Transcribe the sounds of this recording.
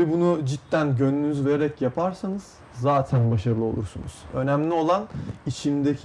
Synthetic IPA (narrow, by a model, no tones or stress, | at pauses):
ibunud͡ʒit̪ːænɟønynyzve̞ɾeɾɛcjapʰaɾsanɯz̥ː | aːt̪ʰænbaʃaɾɯlˠɯo̞lˠuɾsṵnṵz̥ø̞̰næmlʲio̞lˠanit͡ʃʰimd̪ecʰ